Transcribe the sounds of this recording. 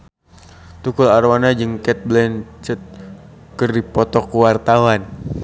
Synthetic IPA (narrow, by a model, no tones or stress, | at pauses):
t̪ukularwanad͡ʒəŋkɛt̪̚blɛnt͡ʃət̪̚ | kərdipɔt̪ɔkuwart̪awan